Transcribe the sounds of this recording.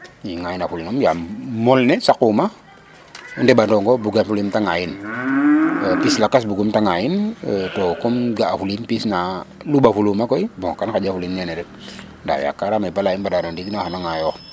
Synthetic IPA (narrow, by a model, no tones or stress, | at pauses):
iŋajinafulinɔmjamɔlnɛsakuma | ndɛbandɔŋɡɔbuɡanfulimtaŋain | pislakas̬buɡumtaŋaintɔkɔmɡaːfulinpisnalubafulumakɔibɔŋkankad͡ʒafulinɲanɛdɛk̚ | da̰ja̰kaɾamabalainbadanɔndikinahanaŋajɔ